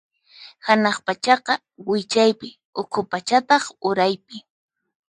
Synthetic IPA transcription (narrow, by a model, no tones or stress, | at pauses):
hanɑχpat͡ʃɑqɑ | wɪt͡ʃajpɪ | ʊkʰʊpat͡ʃat̪ɑχʊɾajpɪ